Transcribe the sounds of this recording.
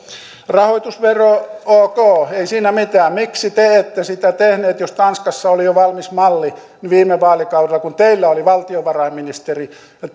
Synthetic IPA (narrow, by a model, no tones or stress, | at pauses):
rɑhoit̪usʋerooːkoːeisiːnæmit̪æːmmiksit̪eet̪ːesit̪æt̪ehneːt̪jost̪ɑnskɑsːɑolijoʋɑlmismɑlːi | niʋiːmeʋɑːlikɑwdelːɑkunt̪eilːæoliʋɑlt̪ioʋɑrɑimminist̪eri